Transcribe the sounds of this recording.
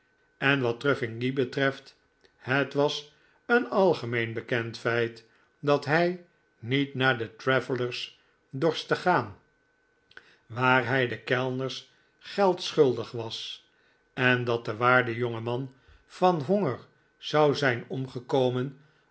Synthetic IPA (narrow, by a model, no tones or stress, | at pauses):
ɛnʋɑt̚røfɪŋɡibətrɛft | hətʋɑs | ənɑlˠχəmejnbəkɛntfɛjt | dɑtɦɛj | nitnaːɹdətrɛvələɹs | dɔɹstəχaːn | ʋaːɹɦɛjdəkɛlˠnəɹs | χɛlˠtsχɵlˠdəχʋɑs | ɛndɑt̚dəʋaːɹdəjoŋəmɑn | fɑnɦoŋəɹ | z̥ɑwzɛjnɔmχəkowmən